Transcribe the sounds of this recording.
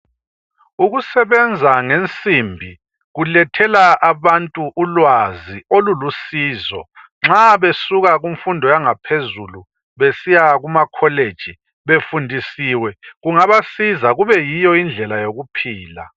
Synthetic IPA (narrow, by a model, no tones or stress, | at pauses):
uɣusɛβɛnd͡zʱaŋent͡sʼimbʱi | ɣulɛtʰɛlaʔaβantʼuʔulwaziolulusiːzɔ̰ | ŋ͡ǁaβesuɣaɣuɱfundʱɔjaŋapʰezulu | βesijaɣumakʰɔled̥ʒ̥ʱi | βefundʱisiːwɛɣuŋaβasizaɣuβɛjijɔind͡ɮʱɛlajoɣupʰiːla̰